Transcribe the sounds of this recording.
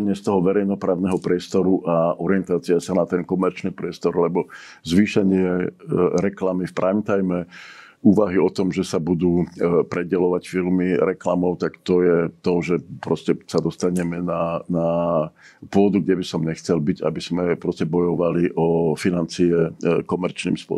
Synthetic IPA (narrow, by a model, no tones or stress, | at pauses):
ɲɪɛst̪ɔɦɔʋɛɾɛjnɔpɾaːʊnɛɦɔpɾɪɛst̪ɔɾuʔaʔɔɾiɛnt̪aːt͡siasanat̪ɛnkɔmɛɾt͡ʃnipɾɪɛst̪ɔɾlɛbɔ | zʋiːʃɛɲɪɛɾɛklamifpɾaimt̪ajmɛ | uːʋaɦiɔt̪ɔmʒɛsabud̪uːpɾɛɟɛlɔʋacfilmiɾɛkla̰mɔʊt̪akt̪ɔjɛt̪ɔʒɛpɾɔscɛsad̪ɔst̪aɲɛmɛnana | pʊɔd̪uɡɟɛbisɔmɲɛxt͡sɛlbiɟa̰biz̥mɛpɾɔscɛbɔjɔʋaliʔɔfinant͡siɛkɔmɛɾt͡ʃnḭːmspʊɔ̰